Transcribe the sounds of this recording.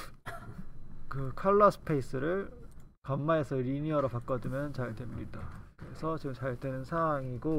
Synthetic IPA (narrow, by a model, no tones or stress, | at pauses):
kɯkʰaɭːʌsʰɯ̥pʰe̞is͈ʰɯɾɯɭkamːaesʰʌɾiniʌɾopak͈ʌdɯmjʌnt͡ɕaɭtwe̞mɲidakɯɾe̞sʰʌt͡ɕiɡɯmt͡ɕaɭdwe̞nɯnsʰawaŋiɡo